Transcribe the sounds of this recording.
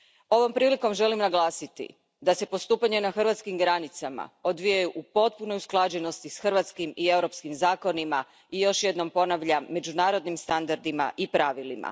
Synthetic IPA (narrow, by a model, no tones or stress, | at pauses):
o̞ʋo̞mpɾiːliko̞mʒe̞limnaɡlˠaːsit̪ḭ | d̪ase̞po̞st̪uːpaɲe̞naxrʋat̪skimɡɾanit̪sama̰o̞d̪ʋijajuʔupo̞t̪̚puno̞jusklˠad͡ʑe̞no̞st̪isxrʋat̪skimie̞wɾo̞pskimzaːko̞nima | ijo̞ʃje̞d̪no̞mpo̞naʋʎame̞d͡ʑunaːɾo̞d̪nimst̪and̪aɾd̪ima̰ʔipɾaʋilima̰